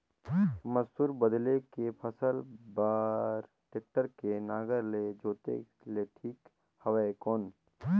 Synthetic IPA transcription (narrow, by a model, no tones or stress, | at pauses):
mət̪uːɾbəd̪lekepʰəsəlbaːɾ | ʈeːk̚ʈəɾkenaːɡəɾled͡ʒoːt̪ḛ | leʈʰiːk | hɐwaekɔːn